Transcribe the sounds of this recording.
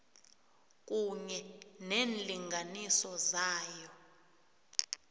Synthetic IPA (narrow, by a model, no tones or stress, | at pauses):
k̬ʼuɲɛneːnliŋɡʱanisɔzaːjɔ